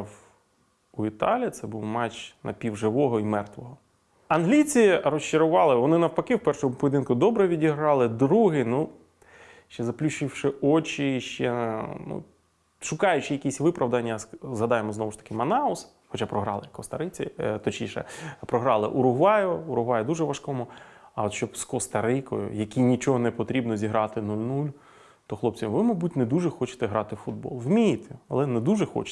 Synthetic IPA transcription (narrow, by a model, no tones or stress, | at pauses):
w | uit̪ɑlʲit̪sɛbuwmɑt͡ʃnʔɐ̰pʲiwʒɪʋɔɦɔimɛrt̪ʋɔɦɔ | ɐnɦlʲit͡sʲirɔst͡ʃɪɾʊʋɑlˠɪʋɔnɪnɐwpɐkɪwpɛrʃɔɦʊpɔjʲɪd̪ɪnkʊd̪ɔbɾɛʋʲidʲiɦɾɑlˠɪd̪ɾuɦɪnu | ʃt͡ʃɛzɐplʲuʃɪwʃɪɔt͡ʃiʃt͡ʃɛnṵ | ʃʊkɑjʊt͡ʃɪjɐkʲisʲʋɪpɾɐʋd̪ɐnʲːɐzɦɐd̪ɑjemɔznɔʋʊʃt̪ɐ̥kɪmɐnɑʊs | xɔt͡ʃapɾɔɦɾɑ̰lˠɪkɔst̪ɐɾɪt͡sʲit̪ɔt͡ʃnʲiʃɛ̰pɾɔɦɾɑlˠɪ̰ʔʊɾʊɦʋɑjʊʊɾʊɦʋɑjʊd̪uʒɛʋɐʃkɔmʊ | ɐɔt̪ʃt͡ʃɔbskɔst̪ɐɾɪkɔ̰jʊ̰jɐkʲinʲit͡ʃɔɦɔnɛpɔt̪ɾʲibnɔzʲiɦɾɑt̪ɪnulʲnulʲ | t̪ɔxlˠɔp̚t͡sʲɐmʋɪmɐbutʲnɛd̪uʐɛxɔt͡ʃɪ̥t̪ɛɦɾɑt̪ɪfʊd̪̚bɔ̰lˠwmʲijɪt̪ʰɛɐ̰lˠɛnɛd̪uʒɛxɔ̰t͡ʃ